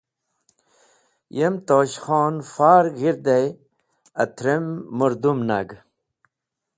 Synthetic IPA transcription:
jemt̪oːɕχoːnfaːɾɡiɾd̪ej | ɐt̪ʰɾemːuɾd̪umna̰ɡ

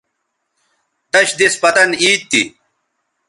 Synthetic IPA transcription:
t̪ɐɕd̪ispɐt̪ɐniːt̪ːi

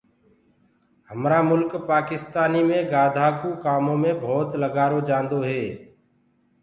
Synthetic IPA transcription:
həmɾaːmʊlkpaːkɪst̪aːniːmẽːɡaːd̪ʱaːkuːkaːmõːmẽːbʱoːt̪ləɡaːɾoːd͡ʒãːnd̪oːɦeː

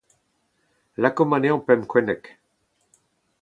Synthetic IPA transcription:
lakomaneɔ̃pɛmkwɛnɛk

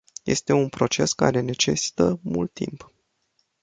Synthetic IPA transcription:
je̞̰st̪e̞unpɾo̞t͡ʃe̞ska̰ɾe̞ne̞t͡ʃe̞si̥t̪əmult̪ːḭmp

